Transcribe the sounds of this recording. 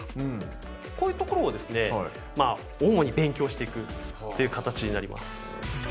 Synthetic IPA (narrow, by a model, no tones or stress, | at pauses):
ɯ̃ | koːjɯ̟ːt̪o̞ko̞ɾoːd̪e̞sɨne̞ | ma | oːmo̞ɲ̟ibẽ̞ŋkʲo̞ːɕi̥t̪e̞ikɯ̟ | t̪ːe̞jɯ̟kat̪at͡ɕiɲ̟inaɾʲimʔa̰sɨ̥